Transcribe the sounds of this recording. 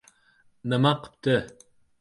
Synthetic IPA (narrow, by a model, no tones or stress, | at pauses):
nəmɑqp̚t̪ə